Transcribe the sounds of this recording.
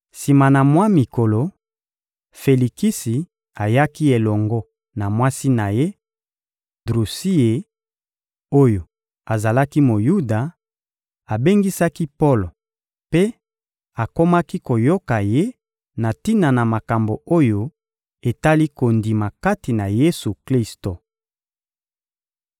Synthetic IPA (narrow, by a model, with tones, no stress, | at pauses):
si˨ma˨na˨mwa˦mi˨ko˨lo˨ | fe˨li˨ki˦si˨ | a˨ja˦ki˦e˨lɔ˨ŋɡɔ˦ | na˨mwa˦si˦na˨je˦ | dʁu˨si˦e˨ | o˦jo˨ | a˨za˨la˦ki˦mo˨ju˦da˨ | a˨be˦ŋɡi˦sa˦ki˦po˦lo˨ | pe˦ | a˨ko˦ma˦ki˦ko˨jo˦ka˨je˦ | na˨ti˦na˨na˨ma˨ka˨mbo˨o˦jo˦ | e˨ta˦li˦ko˨ndi˨ma˨ka˦ti˨na˨je˦su˨kli˦sto˨